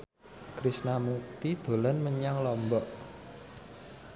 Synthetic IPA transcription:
kɾisnamuk̚t̪id̪̥o̤lɔnməɲaŋlɔmbɔʔ

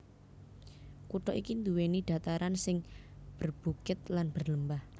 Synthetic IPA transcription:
kuʈɔʔikind̪uweniɖ̪̥a̤t̪aɾansɪŋb̥ərb̥ṳkɪt̪̚lanb̥ərləmbah

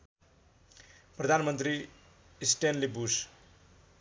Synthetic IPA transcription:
prʌd̪ʱanmʌnt̪ɾi | isʈenlibus

